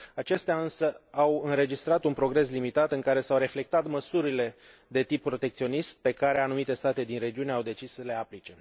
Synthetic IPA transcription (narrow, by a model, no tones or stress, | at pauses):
at͡ʃe̞st̪eaɨnsəawɨnɾe̞d͡ʒist̪ɾat̪unpɾo̞ɡɾe̞s̬limit̪at̪ɨŋkaɾe̞sawɾe̞fle̞k̚t̪at̪məsuɾile̞ | d̪e̞t̪ipːɾo̞t̪e̞k̚t̪sio̞nist̪̚pe̞kaɾe̞anumit̪e̞st̪at̪e̞d̪inre̞d͡ʒiune̞awd̪e̞t͡ʃissəle̞aplit͡ʃe̞